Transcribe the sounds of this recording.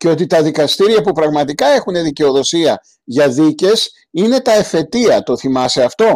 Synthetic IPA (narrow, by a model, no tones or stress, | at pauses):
ceo̞t̪it̪ɐðikɐst̪iɾiɐpupɾɐɣmɐt̪ikɐe̞xune̞ðice̞o̞ðo̞siɐ | ʝɐðice̞s | ine̞t̪ɐefe̞t̪iɐt̪o̞θimɐse̞ɐft̪o̞